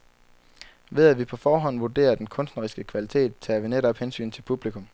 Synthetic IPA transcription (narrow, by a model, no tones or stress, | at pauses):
ʋe̝ð̞ˠæʋipʰɒ̽fɒːɦɒ̽n̰ʋud̥e̝̰ːɐd̥enkʰɔ̽nsd̥nɐʁisɡ̥əkʰʋælit͡sʰe̝̰ːd̥̚t͡sʰeæʋeneɾ̥ɒ̽b̥hensy̰ːnt͡sʰe̝lpʰub̥likʰɔ̽m